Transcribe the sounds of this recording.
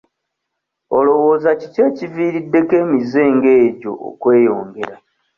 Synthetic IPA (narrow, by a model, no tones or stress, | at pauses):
olo̞wo̞ːzaciceːciviːɾidːe̞ke̞ːmize̞ːŋɡe̞ːɟo̞̰ʔo̰kwe̞ːjo̞ːŋɡe̞ɾa